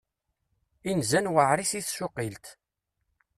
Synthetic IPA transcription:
inzænwəʕɾisiθʃʊqilt̪

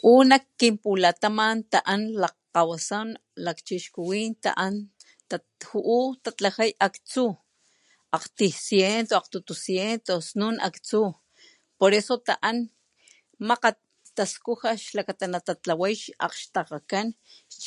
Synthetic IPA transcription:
ʔunakːimpulat̪amant̪aʔanla | qawasanlakt͡ʃiʃkuwint̪a̰ʔan | t̪a | huʔut̪at͡ɬahajakt͡su | aqt̪isjent̪oaqt̪ut̪usjent̪osnuna̰kt͡su | poɾesot̪aʔan | maqa | t̪askuxaʃlakat̪anat̪at͡ɬawajʃa̰qʃt̪aqakan

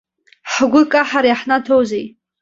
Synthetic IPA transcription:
ħɡʷʊkʼaħaɾjaħnatʰowzej

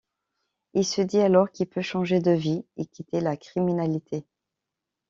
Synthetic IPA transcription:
ilsəd̪ialɔʁkʲilpøʃɑ̃ʒed̪əviekʲit̪elakχiminalit̪ʰe

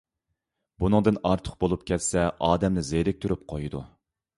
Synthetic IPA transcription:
bunɨŋd̪ɨnɑɾt̪ʰə̥q̚bolˠupkʲʰɛt̪sɛʔɑːd̪ɛmnɪzeɾɛk̚ʲt̪ʰyɾyp̚qʰojɨd̪u

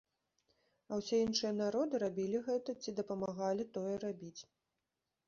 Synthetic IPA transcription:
ɐwsʲeinʂɨjɐn̪aɾɔd̪ɨɾabʲilʲiɣɛt̪ɐt͡sʲid̪ɐpɐmaɣalʲit̪ɔjɛrabʲit͡sʲ

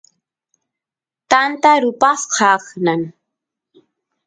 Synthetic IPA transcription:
t̪ant̪aɾʊpɑsqʰɑχnan

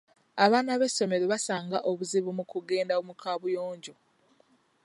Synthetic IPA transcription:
aβaːnaβe̞so̞me̞ɾoβasaːŋɡaʔo̞βuziβumukuɡe̞ːndaomukʰaːβujoːɲɟo̞

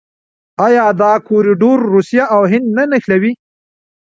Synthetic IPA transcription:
ɑjɑːd̪ɑkoɾiɖoɾːusijaʔawɦɪnd̪nanaxlawi

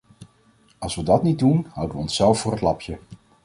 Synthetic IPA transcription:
ɑlˠsʋədɑtnit̚dunɦʌ̰wdəʋəɔnsːɛlˠfʊːrɦətlɑpʰjə

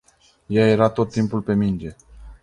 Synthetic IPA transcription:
jaje̞ɾat̪o̞t̪ːimpulpe̞mind͡ʒe̞

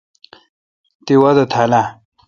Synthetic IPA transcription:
t̪iwɐd̪ɐt̪ʰala

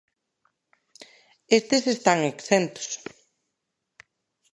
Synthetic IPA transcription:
est̪esest̪aŋeksent̪o̥s

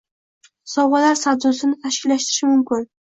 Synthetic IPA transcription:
sɒwʁalaɾsazosɪnɪt̪ʰaʃkʲɪlːaʃt̪ɪɾɪʃɪmʊmkʲɪn

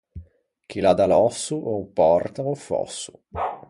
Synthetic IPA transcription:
k̟ilad̪alɔsːuʔopːɔrt̪aofɔ̰sːu

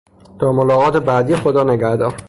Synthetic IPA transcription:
t̪ʰɒːmolɒːɣɒːt̪ʰe̞bæd̪iːexod̪ɒːneɡæhd̪ɒːɾ

